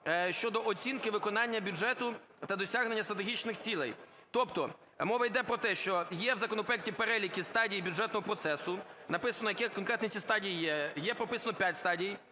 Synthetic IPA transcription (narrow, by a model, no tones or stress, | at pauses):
ʃt͡ʃɔd̪ɔʔɔt͡sʲinkɪʋɪkɔnɑnʲːɐbʲuɛt̪ʊ | t̪ɐd̪ɔsʲaɦne̞nʲːɐst̪ɾɐt̪̬eɦʲit͡ʃnɪxt͡sʲilˠɛ̰j | t̪ɔpt̪ɔ | mɔʋɐjd̪ɛpɾɔt̪ɛʃt͡ʃɔjɛwzɐkɔnɔpɾɔjɛktʲipeɾɛlʲikʲist̪ɑdʲijibʲuʐɛt̪nɔɦɔpɾɔt̪sɛsʊnɐpɪsɐnɔjɐkɪkɔnkɾɛt̪nʲit͡sʲist̪ɑdʲijijɛjɛpɾɔpɪsɐnɔpʲjatʲst̪ɑdʲij